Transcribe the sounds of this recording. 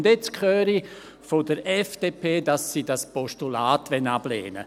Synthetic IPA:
ndet͡skʰχøːɾi | fodəɾɛfd̥eːpʰeːdɑsːidaspɔʃtulaːtʋɛnab̥lḛːnə̰

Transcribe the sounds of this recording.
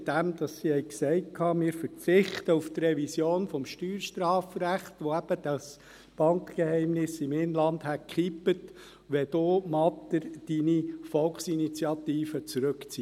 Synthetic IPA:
d̥̪æmd̥̪ɑsːihɛɪksɛɪt̚kʰɑːmɪːɾfəɾt͡sɪχt̪əuft̪rɛvisjoːnfɔmʃtyːɾʃtrɑːfɾæχt̪ʋoæb̥əd̥ɑs | b̥ɑŋkkehɛɪmnɪsɪmɪnlɑnd̪hætkχipət | ʋɛd̪oːmɑt̪ːəɾd̥inifɔlksinit͡sjɑt̪iːfət͡sɾʉkt͡siː

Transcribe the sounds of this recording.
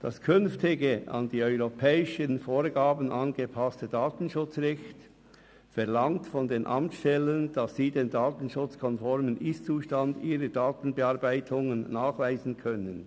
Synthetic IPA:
d̥ɑskʰʏnftɪɡəʔɑ̰ndiːœʏʁopʰɛːɪʃənfoːʁɡaːbən̩ʔɑnɡəpʰastədaːtn̩ʃʊt͡sʁɛçt | fɛɐʁlɑŋtfɔndeːnʔɑ̰mt͡sʃtɛlənd̥ɑsːiːdeːndaːtən̩ʃʊt͡skʰɔnfɔɾmənʔɪst͡suːʃtandiːɾədaːtn̩bəɑʁbaɪtʰʊŋənːaːχvaɪzn̩kʰœnən

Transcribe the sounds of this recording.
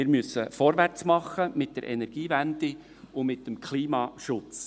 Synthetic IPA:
ɪɾmysːəfɔɾʋært͡smɑχəmɪt̚d̥ɛ̰ɾʔɛ̰nɛɾɡ̥iːvænd̥ɪ | ʊmɪtːəmkʰliːmɑːʃʊt͡s

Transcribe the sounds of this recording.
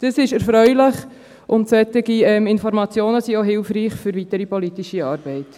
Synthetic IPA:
d̥əsɪʃɛɾfɾœʏlɪχ | ʔʊntsɛt̪ɪɡiɛmɪnfɔɾmɑt͡sjoːnəsioɦɪlfriːχfʏɾvitəɾipɔlitiʃiɑːɾb̥ɛɪt

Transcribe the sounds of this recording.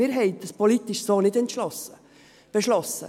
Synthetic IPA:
iːɾɦɛɪt̚d̥əspʰolit̪ɪʃsoːnɪtɛnt̪ʃlɔsə | b̥əʃlɔsə̰

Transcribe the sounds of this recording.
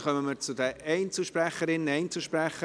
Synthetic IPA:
χœməməɾt͡sʊd̪əɛɪnt͡sl̩ʃpræχəɾɪnːɛɪnt͡sl̩ˠʃpræχə

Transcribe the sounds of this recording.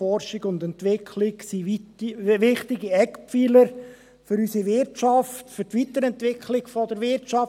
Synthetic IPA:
ɔɾʃɪɡʊnd̪ɛntʋɪkʰlɪksiitʋɪχtɪɡiɛkpfiləɾ | fʏɾysiʋɪɾt͡ʃɑftføtʋit̪əɾɛntʋɪkʰlɪɡ̥fɔd̪əɾʋɪɾt͡ʃɑ

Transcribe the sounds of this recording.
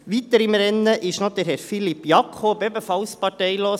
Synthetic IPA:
ʋit̪əɾɪmɾɛnːəʔɪʃnod̪əɾɦɛɾfilipːjɑkʰχobœbəfɑlspɑtɛɪloː

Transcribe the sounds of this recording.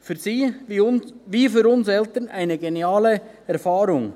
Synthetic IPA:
fyːɾziːiʊnʋiːfyːɾʊnsɛltənaɪnəɡeniaːlə | ɛɾfɑːɾʊŋ

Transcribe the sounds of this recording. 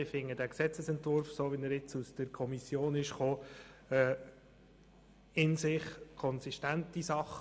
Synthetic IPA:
ɪfɪŋːəd̥æːksɛt͡səsɛntvʊɾfsoːʋinəɾɪt͡susd̥əɾkʰɔmisjoːnɪʃχoːɛ | ɪnsɪχkʰɔnsiʃtæntisɑχ

